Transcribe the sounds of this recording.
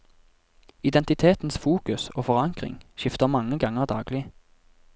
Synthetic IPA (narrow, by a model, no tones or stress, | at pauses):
ɪd̪ɛnt̪ɪt̪ʰeːt̪n̩sfuːkʉsoːfɔʁɑŋkʁɪ̰ŋʃɪft̪əʁmɑŋəɡɑŋəʁd̪ɑːɡlɪ